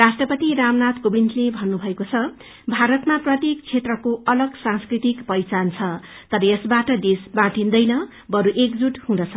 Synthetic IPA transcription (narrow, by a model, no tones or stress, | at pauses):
rasʈrʌpʌt̪iɾamnat̪kobintʰlebʱʌnːubʱʌekot͡sʰʌ | bʱaɾʌt̪maprʌt̪jekt͡sʰet̪rʌkoʔʌlʌɡsãŋskrit̪ikpʌjt͡sant͡sʰʌ | t̪ʌɾʌjesbaʈʌd̪esbatind̪ʌjnʌ | bʌɾuʔekd͡zuʈhũd̪ʌt͡sʰʌ